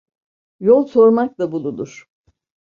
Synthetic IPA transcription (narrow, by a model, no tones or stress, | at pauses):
jolˠso̞ɾmak̚labulˠud̪ˠuɾ̥